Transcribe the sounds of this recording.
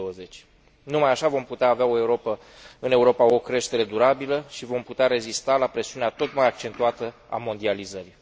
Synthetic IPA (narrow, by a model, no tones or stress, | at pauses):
oəze̞t͡ʃʲ | numajaʃavo̞mput̪eaːveao̞e̞uɾo̞pə | ɨne̞uɾo̞pao̞kɾe̞ʃt̪e̞ɾe̞d̪uɾabiləʃivo̞mput̪eaɾe̞zist̪alapɾe̞siuneat̪o̞t̪majak̚t͡ʃe̞nt̪uat̪ə | a̰mo̞nd̪ializəɾi